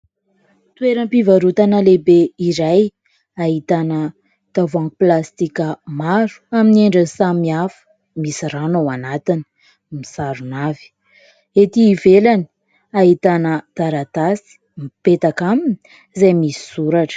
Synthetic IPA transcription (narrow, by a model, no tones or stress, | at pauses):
t̪weɾəmpivaɾut̪anəlebeiɾaj | aɦit̪anə | t̪avãŋkuplast̪ikəmaɾu̥aminieɳɖ͡ʐənsamiafə̥ | misiranowanat̪ini̥ | misaɾunavi̥ | et̪iːvelani̥ | aɦit̪anəd̪̥aɾat̪asi̥ | mipet̪akamini̥ | zajmisi̥suɾaʈ͡ʂə̥